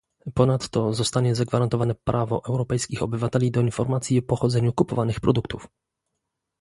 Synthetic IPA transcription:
pɔnat̪ːɔzɔst̪aɲɛzaɡvaɾant̪ɔvanɛpɾʔavɔ̰ʔɛwɾɔpɛjskʲixɔbɘvat̪ɛlʲid̪ɔinfɔɾmat̪sʲjiɔpɔxɔd̪zɛɲukupɔvanɘxpɾɔd̪ukt̪uf

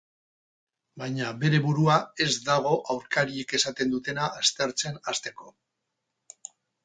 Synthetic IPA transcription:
bajɲabe̞ɾe̞βuɾuae̞zd̪aɣ̞o̞ʔawɾkaɾie̞ke̞sat̪e̞nd̪ut̪e̞naːst̪e̞ɾt͡se̞nast̪e̞ko̞

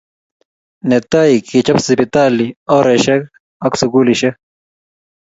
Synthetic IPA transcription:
net̪aːikit͡ɕɐpsipit̪aːlioɾeɕɐk | ɐksuɡuːliɕe

